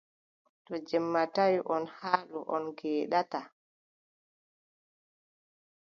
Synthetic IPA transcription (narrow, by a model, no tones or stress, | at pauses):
tɔd͡ʒɛmːatajuʔɔnhaːluʔɔnɡɛːɗata